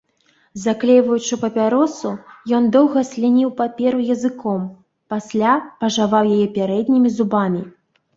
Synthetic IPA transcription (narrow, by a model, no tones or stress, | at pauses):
zaklʲɛjvɐjut͡ʂɨpɐpʲaɾɔsujɔnd̪ɔwɣɐsʲlʲinʲiwpapʲɛɾujɐzɨkɔm | pasʲlʲapɐʐavawjajɛpʲaɾɛd̪ʲnʲimʲizubamʲi